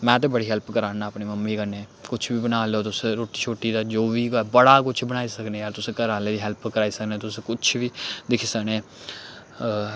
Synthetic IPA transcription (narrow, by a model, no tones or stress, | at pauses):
mɛ̃ːt̪̬ẽːbəɽiːɦɛlpkəɾaːnaːəpniːməmːiːkəneː | kʊt͡ʃʰbiːbənaːloːt̪ʊsẽɾoːʈiːt͡ʃʰoːʈːiːd̪aːd͡ʒoːʋiːkːbəɽaːkʊt͡ʃʰbənaːiːsəknẽːaːɾt̪ʊsẽːkəɾaːleːd̪iːɦɛlpkəɾaːiːsəknẽːt̪ʊsẽkʊt͡ʃʰʋiːd̪ɪkʰiːsəknẽː